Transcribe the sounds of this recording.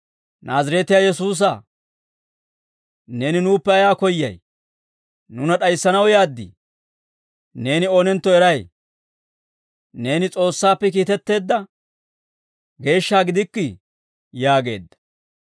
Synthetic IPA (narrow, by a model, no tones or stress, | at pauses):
nʔaːzɐɾet̪ɪjaːjɛs̬uːs̬ɐ | ne̞ːnɪnuːpːɛɐjaːkɔjːɐ̰j | nʊnɐɗɐjsːɐnɐwjaːd̪ːɪ̰ | ne̞ːnɪoːnɛnt̪ːɔɛɾɐj | ne̞ːnɪt͡sʼo̞ːsːaːpːɛkiːt̪ɛt̪ːe̞ːd̪ːɐ | ɡe̞ːʃːaːɡɪd̪ɪkːɪ | jaːɡe̞ːd̪ːɐ̥